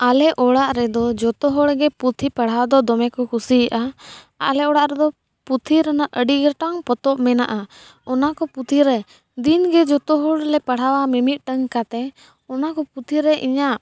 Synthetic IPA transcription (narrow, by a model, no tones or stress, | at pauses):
alɛʔɔɽaʔɾɛd̪ɔd͡ʒɔt̪ɔɦɔɽɡɛput̪ʰipəɽ̤awad̪ɔd̪ɔmɛkɔkʰusiʔa | a̰lɛɔɽaʔɾɛd̪ɔ | put̪ʰiɾanaʔʔəɖiɡɛʈaŋpɔt̪ɔʔmɛna̰ʔa | ɔnakɔput̪ʰiɾɛ | d̪inɡɛd͡ʒɔt̪ɔɦɔɽlɛpəɽ̤awamɛmit̪̚ˀʈəŋkat̪ɛ | ɔnakɔput̪ʰiɾɛʔiɲaʔ